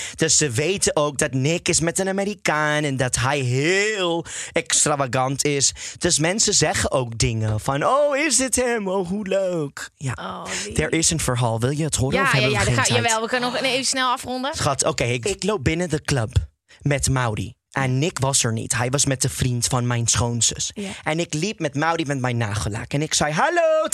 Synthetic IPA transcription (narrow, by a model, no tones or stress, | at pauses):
d̥øsːəʋejtəʔowk̚dɑtnɪkɪsmɛtənameɾikaːnɛndɑtɦɛjɦɪlˠɛkstravaɡɑntʰɪsd̥øsmɛnsəzɛχəʔoʊk̚dɪŋəfɑnowɪsdɪtɦɛmowɦuløːkja̰d̥ɛɹʔɪsənfəɹɦaːlˠʋɪlˠjəətɦʊːɾɔfɛejaʋɛlˠʋəkønənɔχnevsnɛlˠɑfrɔndəχɔtowkejɪɪklowp̚bɪnədəkləp | mɛtmawɾḭ | ʔɛnnːɪkʋɑsəɹnḭtɦɛjʋɑsmɛt̚dəfrintfɑnmɛjnsχownsə̰sʔɛnɪklip̚mɛtmawɾimɛtmɛjnːaːχəla̰kɛnɪksɛjɦalo